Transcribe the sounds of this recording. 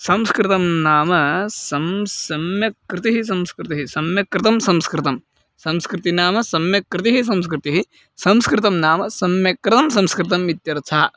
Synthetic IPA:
sɐmskɾɪt̪ɐmnaːmɐsɐmsɐmjɐkɾɪt̪iɦis̬ɐmskɾɪt̪iɦisɐmjɐkɾɪt̪ɐmsɐmskɾɪt̪ɐm | sɐmskɾɪt̪inaːmɐsɐmjɐkɾɪt̪iɦis̬ɐmskɾɪt̪iɦi | sɐmskɾɪt̪̬ɐmnaːmɐsɐmjɐkɾɪt̪ɐmsɐmskɾɪt̪̬ɐmʋit̪jɐɾt͡ʃʰaː

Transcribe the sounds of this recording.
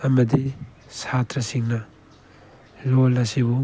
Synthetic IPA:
ɐmɐdi | satɾɐsiŋnɐ | lolɐsibu

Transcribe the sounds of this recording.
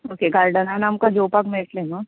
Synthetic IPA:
oːkeɡaːɾɖənaːnaːmkad͡ʒoːpakmeːʈlena

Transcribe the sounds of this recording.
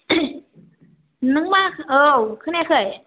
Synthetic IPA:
nɯŋmaːkʔɤːkʰɯnɛːkʰɤj

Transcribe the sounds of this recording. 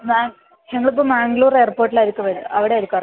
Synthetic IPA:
maːŋ | ɲɐŋːɐɭɨp̬ːoːmaːŋɡluːre̞ːrpoːrʈːilaɾukːɨʋɐɾuɐʋiɽeɐɾukːɐr

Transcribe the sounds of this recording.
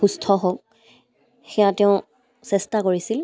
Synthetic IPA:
xustʰɔɦok̚ | xɛjãtɛʊ̃ | sɛstakoɹisil

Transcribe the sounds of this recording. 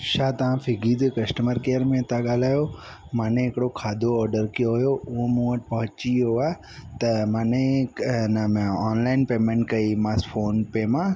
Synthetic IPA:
ʃaːt̪ɐʋãfʰɪɡiːd̪kɐsʈəməɾkeːəɾmẽt̪aɠaːlaːjo | mãːnẽɦɪkɽokʰaːd̪ʱoɔːɾɖəɾkijoɦʊjoʊ̃mũəʈpɐɦʊt͡ʃioaː | t̪ɐmãːnẽnmɔːnlaːɪnpeːmẽːɳʈkɐimãsfʰoːnpemã

